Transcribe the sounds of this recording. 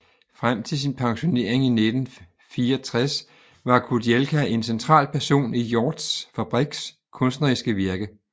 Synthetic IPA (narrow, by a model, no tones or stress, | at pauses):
fʁam̰t͡sʰe̝ls̬inpʰɑ̈ŋɕo̝ne̝̰ɐ̰eŋine̝d̥n̩ | fiːɐɒt͡sʰʁas | ʋɑ̈kʰuɐd̥ielkʰæe̝nsent͡sʰʁɑ̰̈ːlpʰæɐso̝̰ːnijɒ̰ːd̥sfæb̥ʁiɡ̥s | kʰɔ̽nsd̥nɐʁisɡ̥əʋiɐɡ̥ə